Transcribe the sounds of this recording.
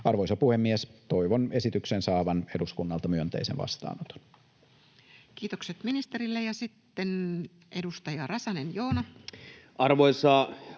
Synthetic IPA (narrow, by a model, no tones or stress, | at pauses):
ɑrʋoisɑpuhemːiest̪oiʋone̞sit̪yksensɑːʋɑneduskunːɑlt̪ɑmyønt̪ḛisḛnʋɑ̰st̪ɑ̰ːnot̪o̥n | kiːt̪okset̪minist̪e̞ɾilːejɑsit̪ːen | ʔedust̪ɑjɑrɑsɑnenjoːnɑ | ʔɑrʋoisɑ